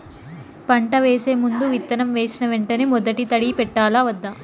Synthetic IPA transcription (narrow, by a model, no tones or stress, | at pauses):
pɐɳʈɐʋe̞ːse̞ːmund̪uʋit̪ːɐnɐmʋe̞ːsinɐʋeɳʈɐnemɔd̪ɐʈit̪ɐɽipɛʈːaːlaːʋɐd̪ːɐ